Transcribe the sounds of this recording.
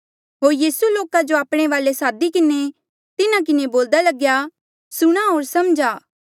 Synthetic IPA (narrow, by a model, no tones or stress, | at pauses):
ɦoːɾjiːsuloːkad͡ʒoaːpɽ̃eʋaːlesaːd̪ikɪne | t̪ɪnãk̬ɪneboːld̪alɐɡja | sʊɽ̃aɦoːɾsɐmd͡ʒaː